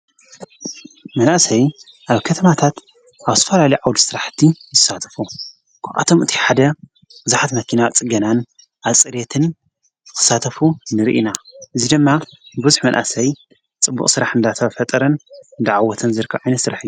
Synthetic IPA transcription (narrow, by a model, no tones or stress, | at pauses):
mɐnʔasɐj | ʔaβkʰɐt̪ʰɐmat̪ʰat̪ | ʔaβt̪ʰɐfɐlalɐjʕawd̪isɨɾaħt̪ʰizɨsat̪ʰɐ̥fu | kʰaʔa̰t̪ʰo̞mʔɨt̪ʰi̥ħad̪ɐ | bɨzaħat̪mɐkʰinawt͡sʼɨɡɐnan | ʔaβt͡sʼɨɾet̪ʰɨn | zɨkɨ̥sat̪ʰɐfunɨɾiʔinaʔɨzid̪ɨmːabɨzuħmɐnʔa̰sɐj | t͡sʼɨbːṵχʼsɨɾaħɨnd̪at̪ʰɐfɐt̪ʼɐɾɐnɨnd̪aʕawɔt̪ʰɐnzɨɾɨkʰːɐβʕajnɐt̪sɨɾaħɨjːu